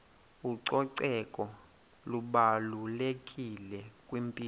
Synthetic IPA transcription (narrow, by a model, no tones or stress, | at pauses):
uǀɔǀɛkʼɔ | luɓalulekʼilɛkʼwimpʼiː